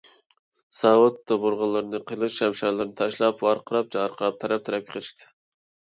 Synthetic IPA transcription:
sɑwʊt̪ːɑboɾʁɑlːˠɨɾɨnɨqʰəjlˠɨʃʃɛmʃɑɾlˠɨɾnɪt̪ʰɑʃlˠɑpvɑɾqʰəɾɑp̚d͡ʒɑɑɾqʰəɾɑp̚t̪ʰɛɾɛp̚t̪ʰɛɾɛp̚kʲʰɪɨʃt̪ʰɨ̥

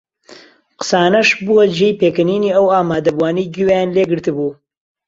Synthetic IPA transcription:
qɨ̥saːnɐʃbuwɐd͡ʒejpeːkɨniːniːɐwaːmaːd̪ɐbuaːnɐjɡiwejanleːɡɨɾt̪ɨbuː

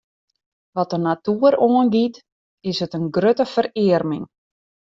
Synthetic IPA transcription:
ʋɔtənatuəɾoənɡit | ɪsətənɡrøtəfərɪərmɪŋ

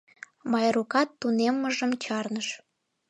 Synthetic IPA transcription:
mɑjɾokɑt̪ːunemːəʒəmt͡ɕɑrnəʃ

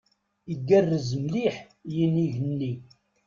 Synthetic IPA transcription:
iɡːərːəzmliħ | jiniʝənːi

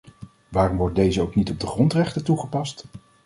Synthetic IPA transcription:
ʋaːrɔmʋɔɹt̚dejzəowknitɔb̚dəχrɔntrɛχtəntuχəpɑst

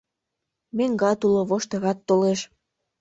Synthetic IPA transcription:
meŋɡɑt̪uloβoʃt̪ɤ̆ɣɑt̪ːoleʃ

